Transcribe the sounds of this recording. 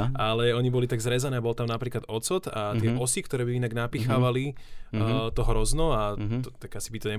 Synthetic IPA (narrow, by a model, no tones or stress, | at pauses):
ʔalɛɔɲibɔlit̪aɡzɾɛzanɛːbɔlt̪amnapɾiːklad̪ɔt͡sɔt̪at̪ɪɛʔɔsikt̪ɔɾɛːbiinaɡnapixaːʋali | t̪ɔɦɾɔznɔat̪ɔt̪aɡasibit̪ɔɲɛ